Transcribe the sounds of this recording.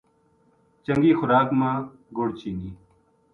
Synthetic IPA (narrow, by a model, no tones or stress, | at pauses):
t͡ʃəŋɡiːxʊɾaːkmãː | ɡoːɽt͡ɕiːniː